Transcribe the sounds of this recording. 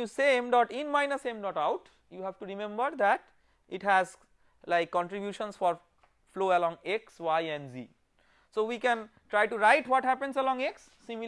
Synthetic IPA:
usẽmɖɔʈĩnmãɪnəsẽmɖɔʈaʊʈ | juɦæʋʈuɾimẽmbəɾd̪æʈ | iʈɦæz | laɪkːɔ̃ɳʈɾibjuʃə̃nsfɔɾ | floːəlɔ̃ŋekswaɪɛ̃ɳɖzḭ | soːʋikɛ̃nʈɾaɪʈuɾaɪʈwɔʈhæpẽnsɛlɔ̃ŋeksːĩmi

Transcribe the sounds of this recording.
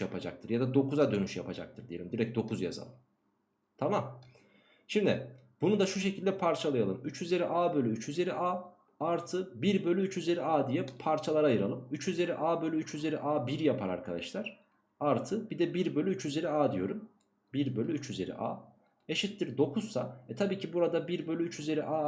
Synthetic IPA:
japʰad͡ʒa̰k̚t̪ʰɯɾjad̪ad̪o̞kʰuzad̪ø̞nyʃja̰pʰad͡ʒa̰k̚t̪ʰɯɾd̪ije̞lʲimd̪iɾɛc̚d̪o̞kʰuzja̰za̰lˠɯm | t̪ʰamam | ʃimd̪ɪ̰ | bunud̪aʃuʃ̬e̞cʰilʲd̪ɛpʰaɾt͡ʃʰalˠajalˠɯmyt͡ʃyze̞ɾiʔaːbølʲyyt͡ʃʰyze̞ɾiʔaː | aɾt̪ʰɯbiɾbø̞lʲyyt͡ʃyze̞ɾiaːd̪ijɛpʰaɾt͡ʃʰalˠaɾajɯɾalˠɯmyt͡ʃyze̞ɾiʔaːbø̞lʲyyt͡ʃyze̞ɾiʔaːbiɾjapʰaɾa̰ɾkʰad̪a̰ʃlˠaɾ̥ | aɾt̪ʰɯbid̪ɛbiɾbø̞lʲyyt͡ʃyze̞ɾiaːd̪ijo̞ɾum | biɾbølʲyyt͡ʃyze̞ɾḭʔa̰ː | eʃit̪ːiɾd̪o̞kʰuzsa̰ɛt̪ʰabiːcʰibuɾad̪abiɾbølʲyyt͡ʃyze̞ɾiʔaː

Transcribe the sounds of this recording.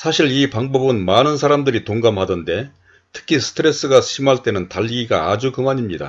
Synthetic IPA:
sʰaɕʰiɭipaŋbʌbɯnmanɯnsʰaɾamdɯɾitoŋɡamɦadɯnde̞ | tʰɯ̥kʰisʰɯ̥tʰɯɾe̞s͈ɯɡaɕʰimaɭt͈e̞nɯntaʎːiɡiɡaːd͡ʑukɯmaɲimɲida̰

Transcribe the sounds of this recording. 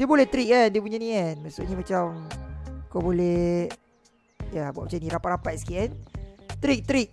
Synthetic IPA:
diəbolɛht̪ɾik̚andiəp̬uɲanĩanmaʔsṵʔ̚ɲamat͡ʃam | kobolɛ | jabuaʔ̚mat͡ʃanĩɾapaʔɾampajsi̥kiʔant̪ɾik̚t̪ɾik̚

